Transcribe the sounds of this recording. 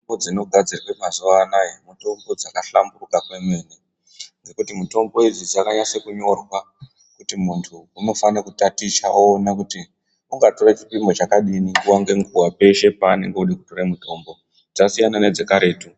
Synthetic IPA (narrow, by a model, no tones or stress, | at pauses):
bod͡zino̞ɡʱad͡zirikwemazuʋanaemuto̞mbo̞d͡zakaɬamburukakwe̞meni | nd͡ze̞kutimuto̞mbo̞id͡zid͡zakaɲasekuɲo̞rwa | kutimuntʰuːno̞fanakutatiʃaoːnakuti | uŋɡato̞ret͡ʃi̥pimo̞t͡ʃakaɗinikuwaŋɡe̞ŋɡuwape̞ʃe̞paːne̞̰ŋɡeuɗekuto̞ɾamuto̞mbo̞ | d͡zasijanane̞d͡ze̞kaɾe̞ːtu